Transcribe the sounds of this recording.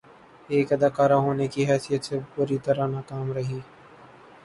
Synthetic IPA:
eːkəd̪aːkaːɾaɦoːnekiɦɛːsijət̪sepʊɾit̪əɾanaːkaːmɾɐɦiː

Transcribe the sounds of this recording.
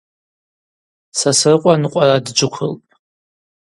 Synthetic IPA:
sasrɨqʷʼanɨqʷʼaradd͡ʒʷɨkʷʰʊlpʼ

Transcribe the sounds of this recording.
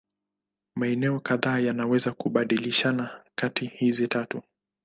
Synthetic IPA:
maɛnɛɔkaðaːjanawɛzakuɓaɗiliʃanakatihizitatu

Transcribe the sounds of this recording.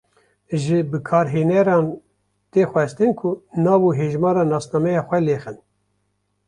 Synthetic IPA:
ʒɨbɨkʰɑːɾɦeːnɛɾɑːn | t̪eːxʷɛst̪ɨnkʰʊnɑːvuɦeːʒmɑːɾɑːnɑːsnɑːmɛjɑːxʷɛleːxɨn

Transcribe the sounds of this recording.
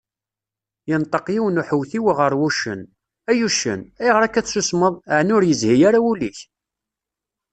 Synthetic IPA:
jənt̪ˤəqjiwnuħəwθiwiʁəɾˤwuʃə̰n | æjuʃə̰næjʁəɾækːæθsusməðˤəʕnʊɾjəzhijaɾauliç

